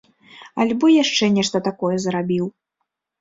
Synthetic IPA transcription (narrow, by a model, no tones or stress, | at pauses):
a̰lʲbɔjaʂt͡ʂɛnʲɛʂt̪ɐt̪akɔjɛzɾabʲiw